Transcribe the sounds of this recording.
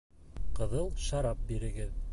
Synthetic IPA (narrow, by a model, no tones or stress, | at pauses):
qɤ̆ðɤlˠʃɑɾɑp̚biɾɘ̆ɡɘð